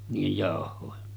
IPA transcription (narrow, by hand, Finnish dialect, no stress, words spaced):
niːjej jɑˑohˑoˑe